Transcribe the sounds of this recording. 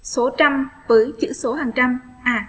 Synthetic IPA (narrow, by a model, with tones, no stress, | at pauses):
so˨˦t͡ɕa˧mvəː˨˦jt͡ɕɨ̰˧˥so˨˦ɦaː˨˩ŋt͡ɕa˧m | ʔaː˧˩